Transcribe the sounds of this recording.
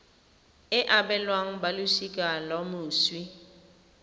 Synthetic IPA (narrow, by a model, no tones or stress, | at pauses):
ɪʔabɛlwaŋ̩balʊsikʼalamʊːswi